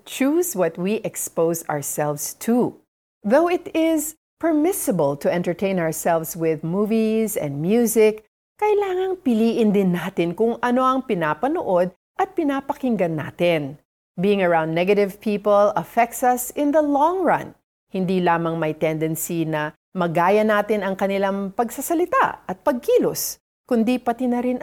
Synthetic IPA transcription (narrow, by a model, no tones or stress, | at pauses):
t͡ʃuzwɐt̪̚wiʔɛkspoʊza̰ɹsɛlvst̪ʰu | ðowɪt̪ɪz | pɛɹmɪsəbəlˠt̪ʰʊʔɛ̃nt̪ɛɹt̪ʰẽɪnaəɹsɛlvswɪðmuːvizɛ̰̃nd̪̚mjuzɪkː | ɐjlaːŋɐŋpɪliːʔɪnd̪ɪnːaːt̪ɪnkʊŋɐno̞ɐŋpɪnaːpɐnoʔod̪̚ | ʔɐt̪̚pɪnapɐkɪŋɡɐnːa̰ːt̪ɪn | biːɪŋɐɹãw̃nd̪nɛɡɐɾɪvpʰiːpəlɐfɛk̚t̪sɐsɪ̃nðɐlɔ̃ŋɹɐ̰̃n | hɪnd̪ilaːmɐŋmɐjt̪ɛ̃nd̪ɛnsinɐ | mɐɡaːjɐnaːt̪ɪnɐŋkɐnɪlaŋpɐɡsɐsɐlɪt̪a̰ɐt̪̚pɐɡ̚kiːlos | kʊnd̪ipɐt̪ɪnɐɾɪn